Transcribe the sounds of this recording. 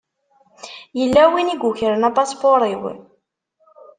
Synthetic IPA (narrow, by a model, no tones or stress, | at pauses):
jəlːæwiniɡuçəɾənæpɑspoɾˤiw